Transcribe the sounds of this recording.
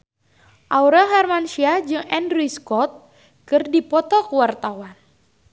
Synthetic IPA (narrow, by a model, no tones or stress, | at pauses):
ʔauɾaɦarmanʃiad͡ʒɨŋɛndɾiskɔt̪̚ | kɨrdipɔt̪ɔkəwart̪awan